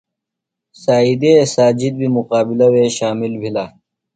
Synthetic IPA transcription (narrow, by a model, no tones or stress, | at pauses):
saːid̪esaːd͡ʑid̪̚bimuqaːbilɐweɕaːmilbʱila